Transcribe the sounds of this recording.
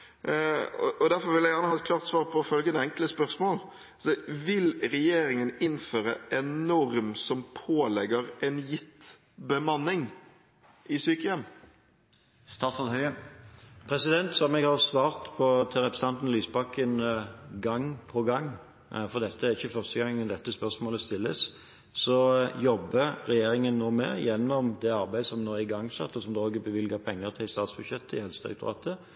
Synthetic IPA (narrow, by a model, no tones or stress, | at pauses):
ɔʔɔd̪æʁfɔɾʋɪljæɡjæʁnəhɑɛt̪̚klɑːʁt̪sʋɑːʁpʰɔfœlɡənɛɛŋkləspœɾsmoːl | sɔʋɪlɾɛjeːɾɪŋənɪnføːɾə̰ʔɛnːɔɾmsɔmpʰoːlɛɡəʁɛnjɪt̪ | bəmɑnːɪŋ | ʔɪsyːkəjɛm | st̪ɑːsɔd̪hœʏə | pʰɾɛsɪd̪ɛnt̪sɔmɛɡhɑʁsʋɑːʁt̪pʰɔt̪ʰɪlɾɛpɾəsənɑnt̪n̩lyːsbɑkːənɡɑŋpʰɔɡɑŋː | fɔʁd̪ɛt̪ːəæʁɪçːəfœʁst̪əɡɑŋːɛnd̪ɛt̪ːəspœʁsmoːləst̪ɪlːəs | sɔjɔbːəɾɛjeːɾɪŋənːoːmɛ̰jɛnːɔmd̪ɛɑʁbæɪsɔmnɔɪɡɑŋːsɑ̰t̪ːɔsɔmd̪oːɡəbəʋɪlɡɑpʰɛŋːəʁt̪ʰɪlst̪ɑːt̪sb̥ʉd̪ʃjɛt̪ʰːəɪhɛlst̪ʉ̰t̪ʁɑ̰ːt̪ʰə